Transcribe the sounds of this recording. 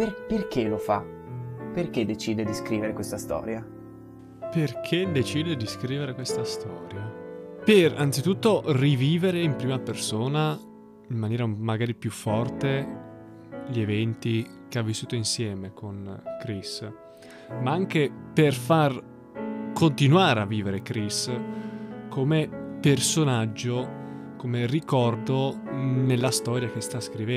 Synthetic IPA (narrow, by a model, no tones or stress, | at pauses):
perperkelofa | perked̪ːet͡ʃiːd̪ed̪iskɾiːveɾekwest̪ast̪ɔ̰ːɾja | perkʰed̪et͡ʃiːd̪ed̪iskɾiːveɾekwest̪ast̪ɔːɾjapera̰nt̪sit̪ut̪ːoriviːveɾeimpɾiːmapersoːna | imːanjɛːɾamaɡaːɾipjufːɔrt̪e | ʎievɛnt̪i | k̟eavːisːuːt̪oinsjɛːmekonkɾis | maaŋk̟eperfar | kont̪inwaːɾeavːiːveɾekɾis | kʰomepersonad͡ʒːo | komerikɔrd̪onelːast̪ɔːɾjak̟est̪askɾivɛ